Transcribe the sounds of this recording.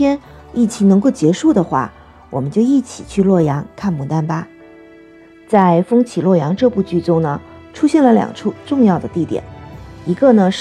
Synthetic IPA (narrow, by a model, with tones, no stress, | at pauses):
jɛ˥n | i˥˩t͡ɕʰi˧˥ŋnɤ˧˥ŋko˥˩ʊt͡ɕjɛ˧˥ʂu˥˩d̪ə˩xwa̰˥˩ | wɔ˨˩mə˦nt͡ɕjo˥˧ʊi˥˩t͡ɕʰḭ˨˩t͡ɕʰy˥˧lwɔ˥˩jɑ˧˥ŋkʰa˥˩nmu˨˩t̪a˥npa˧ | t͡sa˥˧ɪfɤ˥ŋt͡ɕʰi˨˩lwɔ˥˩jɑ˧˥ŋʈ͡ʂɤ˥˧pu˥˩t͡ɕy˥˩t͡sʊ˥˩ŋnə˩ | ʈ͡ʂʰu˥ɕjɛ˥˩nlə˦ljɑ̰˨˩ŋʈ͡ʂʰu˥˧ʈ͡ʂʊ˥˧ŋjɑ˥˩ʊd̪ə˩t̪i˥˩t̪jɛ̰˨˩˦ni˧˥ɡə˥˧nə˩ʂ